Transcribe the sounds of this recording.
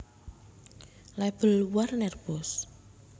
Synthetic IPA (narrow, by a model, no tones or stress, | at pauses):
lɛb̥ə̤lwarnɛrb̥ɔs